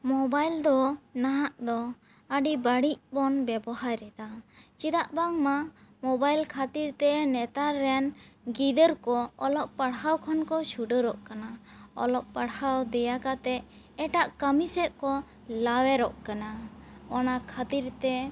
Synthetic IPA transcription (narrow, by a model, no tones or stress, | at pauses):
mɔbajld̪ɔnaɦaʔd̪ɔ | əɖibaɽiʔbɔnbɛbɔɦajɾɛd̪at͡ʃid̪aʔbaŋmamɔbajlkʰat̪iɾt̪ɛnɛt̪aɾɛjanɡid̪əɾkɔɔlɔʔpaɽɦawkʰɔnkɔʃʰuɖəɾɔʔkanaɔ̰lɔʔ̚paɽhawd̪ɛjakat̪ɛ | ɛʈaʔkəmisɛʔ̪̚kɔ | lawɛɾɔʔkanaɔnakʰat̪iɾt̪ɛ